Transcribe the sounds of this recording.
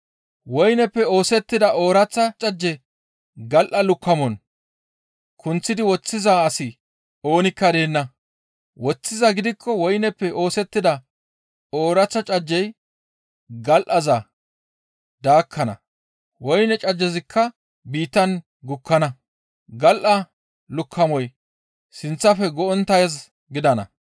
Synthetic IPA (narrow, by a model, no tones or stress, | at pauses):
wɔjnɛpːɛoːsɛt̪ːɪd̪ɐʔo̞ːɾɐt͡sːɐt͡ʃʼɐd͡ʒːɛ | ɡɐlʔɐlʊkːɐmɔn | kʰʊnt͡sːɪd̪ɪwɔt͡sːɪzaɐsɪ | o̞ːnɪkːɐd̪e̞ːnːɐ | wɔt͡sːɪzɐɡɪd̪ɪkʰːɔwɔjnɛpːɛʔo̞ːsɛt̪ːɪd̪ɐ | o̞ːɾɐt͡sːɐt͡ʃʼɐd͡ʒːɛj | ɡɐlʔɐzɐ | d̪aːkʰːɐnɐ̰ | wɔjnɛt͡ʃʼɐd͡ʒːɛzɪkʰːɐ | biːt̪ːɐn | ɡʊkʰːɐnɐ | ɡɐlʔɐ | lʊkʰːɐmɔj | sɪnt͡sːɐfɛɡɔɔnt̪ːɐjɐz | ɡɪd̪ɐnɐ̰